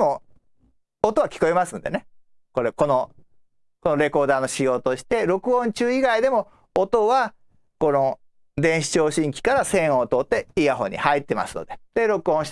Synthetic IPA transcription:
o̞ | t̪o̞βakʲi̥ko̞emasɨ̃nd̪e̞̰ne | ko̞ɾe̞ko̞no̞ | ko̞no̞ɾe̞ko̞ːd̪aːnoɕijo̞ːt̪o̞ɕi̥t̪e̞ɾo̞kɯ̟õ̞ɲt͡ɕɨːiɡaid̪e̞mo̞ː | t̪o̞βa | ko̞no | d̪ẽɰ̃ɕi̥t͡ɕo̞ːɕĩŋkʲi̥kaɾasẽ̞ɰ̃õt̪o̞t̪ːe̞iɡaɦõ̞̰ɲ̟ḭhait̪ːe̞ma̰sɨ̥no̞̰d̪e̞d̪̥e̞ɾo̞kɯ̟õ̞ɕ

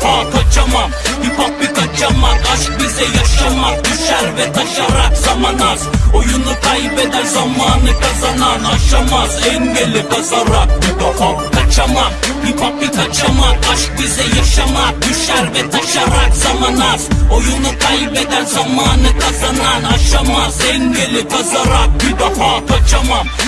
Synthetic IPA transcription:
pʰaːk̪ʰɐt͡ʃɐma | kipɐpːikɐt͡ʃɐmakɐʃk̚bizejɐʃɐmak̚juʃaɾʋet̪ʰɐʃɐɾakzɐmɐnasojunɐkaibed̪ɐlzɐmaːnɨkɐzɐnaːnɐʃɐmaːsenʋelekɐzɐɾak̚bit̪opʰɐpikɐt͡ʃɐmapipɐpikɐt͡ʃɐmaːkɐʃbisejɐʃɐmaːkjuʃɐɾʋet̪ɐʃɐɾakzɐmɐnaːsojunɐkaibed̪ɐlzɐmaːnɨkɐzɐnaːnɐʃɐmaːseŋɡelekɐzɐɾaːk̚bid̪ɐpʰaːkɐt͡ʃɐma

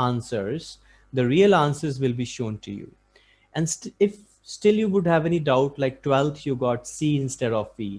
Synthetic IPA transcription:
ãːnsəɾz | d̪əɾiəlãːnsəɾzʋɪlbiːʃõːnʈʰṵjṵː | ʔɛ̃nɪf | sʈɪljuːʋʊɖhæʋɛniɖaʊʈlaɪk̚ʈwɛlt̪ʰjuɡɔːʈsiːɪ̃nsʈɛɖɔʋfiː

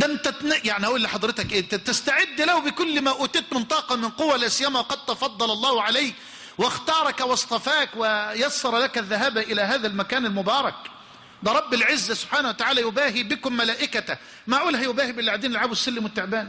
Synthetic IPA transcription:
d̪æmt̪ænjaʕniʔuːlːiħɑd̪ˤɾɪt̪akʔeːt̪t̪ɪst̪aʕɪd̪ːlahubɪkʊlːmæʔuːt̪eːt̪mɪnt̪ˤɑːqɑmɪnqʊwːælaːsɪjːæmawɑqɑd̪̚t̪ɑfɑd̪ˤːɑlɑlˤːɑːhʕalajk | wɪxt̪ɑːɾˤɑkwɑsˤt̪ˤɑfaːkwɪjɑsːɑɾˤɑlakæðːaɦaːbaʔɪlæːɦaːðælmækaːnalmʊbɑːɾˤɑk | d̪æɾˤɑbːɪlʕɪzːæsʊb̥ħaːnahuwat̪aʕaːlæːjʊbaːɦiːbɪkʊmːælaːʔɪkæt̪ | maʕʔuːlɦæjʊbæːhibɪlːiʕad̪iːnɪlʕaːbwɪsːalːɪmwɪt̪ːɪʕbaːn

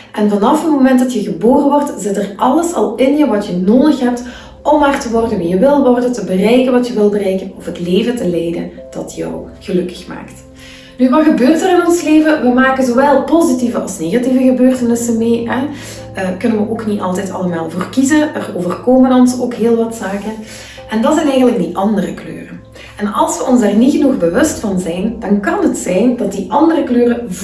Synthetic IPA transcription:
ʔɛnvɑnɑfətmomɛntdɑtjəɣəboːrəʋɔrtzɪtərʔɑlˠəsɑ̰lˠɪnjəʋɑtjənoːdəxɦɛp̚t | ʔɔmaːrtəʋɔrdənʋijəʋɪlˠʋɔrdətəbərɛjkənʋɑtjəʋɪlˠbərɛjkənɔfətleːvətəlɛjdə̰nd̥ɑtjœ̰wɣ̥əlɵkə̥xma̰ːkt | nyʋɑtxəbøːrtərɪnɔnsleːvəʋəmaːkənzoːʋɛlˠpozitivəʔɑ̰lˠsneːɣɑtivəɣəbøːrtənɪsənmeːɛ | əkɵnənʋəʔoːkniɑlˠtɛjtɑləmaːlˠvoːrkizənʔəroːvərkoːmənɑnsoːkɦeːlˠʋɑtsaːkən | ʔɛndɑtsɛjnɛjɣənlək̚diʔɑndərəklø̰ːrən | ɛnɑlˠsʋəʔɔnzarnitxənuɣbəʋɵstfɑnzɛjnd̥ɑnkɑnɦətsɛjndɑt̚diʔɑndərəkløːrəv

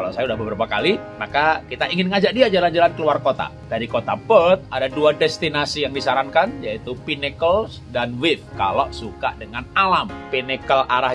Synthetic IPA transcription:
kalasajaudahbəbəɾapakalimakakit̪aʔiŋɪnŋad͡ʒak̚diad͡ʒaland͡ʒalankəluarkot̪a̰ | d̥aɾikot̪apət̪̚adaduadɛst̪inasijaŋdisaɾaŋkanjait̪upinekəlsdanwɪfkalosukaʔdəŋanalampinɛkəlaɾah

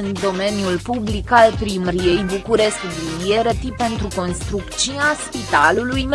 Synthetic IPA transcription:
ɨnd̪o̞me̞njulpublikalpɾimɾijejbukuɾe̞skd̪inijeɾet̪ipe̞nt̪ɾuko̞nst̪ɾukt͡ʃiaspit̪alulujm

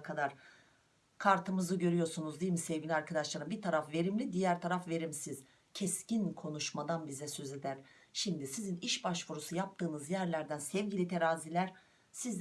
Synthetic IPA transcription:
kʰad̪aɾ̥ | kʰaɾt̪ʰɯmɯzɯɟø̞ɾyjo̞ɾsunuzd̪ijimisɛvɟilʲaɾkʰad̪aʃlˠaɾɯmbit̪ʰaɾafve̞ɾimlʲid̪ijæɾt̪ʰaɾafve̞ɾimsiz̥ | cʰɛscinkʰo̞nuʃmad̪anbizɛsø̞ze̞d̪æɾ̥ʃimd̪isiziniʃbaʃvuɾusujap̚t̪ʰɯːnɯzjæɾlʲæɾd̪ænsɛvɟilʲit̪ʰeɾaːzilʲæɾ̥ | siz

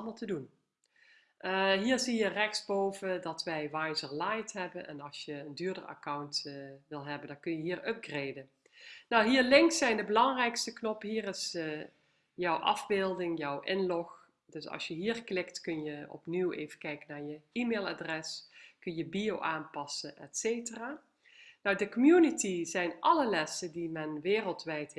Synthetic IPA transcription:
lˠməlˠtədun | ʔəɦiːɹzijərɛxtsbowvədɑtʋɛjʋajzəɹlajtɦɛbənʔɛ̰nɑlˠsjəəndyːɹdəɹa̰kɑwntʋɪlˠɦɛbəndɑnkɵnjəɦiːɹʔɵp̚ɡreːdən | nawɦiːɹlɪŋksɛjndəbəlɑŋrɛjkstəknɔpɦiːrɪs | jɔwʔɑ̰vbɪːlˠdɪŋjɔwʔɪnlɔx | dɵsɑ̰lˠsjəɦiːrklɪktkɵnjəɔ̰pniwḛːjvəkɛjkənaːɹjəimeːlˠa̰ːdrɛskɵnjəbiowʔaːnpɑsəɛtsejtəraː | nɔwdəkɔmjunitizɛjnʔɑləlɛsəndimɛnʋɪːrəlˠtʋɛjt

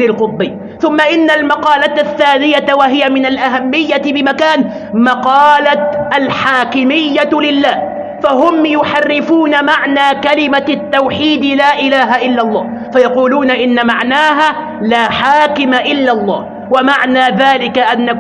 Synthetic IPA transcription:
lɪlqʊt̪̚ˤbɪː | θʊmːaʔɪnːalmɑqɑːlat̪θːaːnɪjawaɦɪjamɪnalʔaɦamːɪjːabɪmakaːn | mɑqɑːlat̪ʔalħaːkɪmɪjːalɪlːaːh | faɦʊmjʊħarːɪfuːnamaʕnaːkalɪmat̪ːawħiːd̪laːʔɪlaːɦaʔɪlːalˤːɑː | fajɑquːluːnaʔɪnːamaʕnaːɦaː | laːħaːkɪmaʔɪlːalˤːɑ̰ːh | wamaʕnaːðaːlɪkaʔanːa

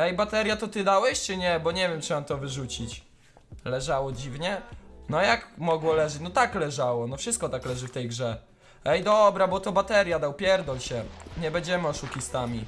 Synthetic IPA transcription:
ɛjbat̪ɛɾʲjat̪ɔt̪ɘd̪awɛɕt͡ʂɨɲɛbɔɲɛvʲjɛmt͡ʂɨmamt̪ɔvɘʐut͡ɕit͡ɕ | lɛʐawɔd͡ʑivɲɛnɔjakmɔɡwɔlɛʐɛt͡ɕnɔt̪aklɛʐawɔnɔfʂɨst̪̚kɔt̪aklɛʐɘft̪ɛjɡʐɛ | ɛjd̪ɔbɾabɔt̪ɔbat̪ɛɾʲjad̪awpʲjɛɾd̪ɔlɕɛɲɛbɛɲd͡ʑɛmɘɔʂukʲist̪amʲi

